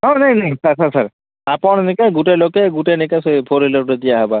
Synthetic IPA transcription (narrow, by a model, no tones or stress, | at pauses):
ɦɔ̃naĩnaĩsaɾsaɾsaɾ | apɔɽ̃nikaɡuʈelokeɡuʈenikasebʰʱoɾiloɾed̪ijaɦeba